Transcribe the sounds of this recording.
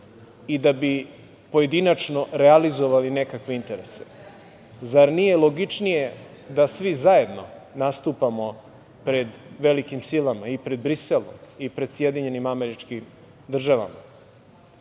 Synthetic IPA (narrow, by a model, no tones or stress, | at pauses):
id̪abi | poje̞d̪inat͡ʂno̞ɾealizo̞ʋaline̞kakʋe̞int̪e̞ɾese | zaɾnije̞lˠo̞ɡit͡ʂnije̞ | d̪asʋizaje̞d̪no̞̰nast̪upamo̞ | pɾe̞d̪ʋe̞likimsilˠamaipɾe̞d̪̚bɾiselˠo̰mipɾe̞d̪sje̞d̪iɲe̞nimame̞ɾit͡ʂkim | d̪r̩ʒaʋa̰ma̰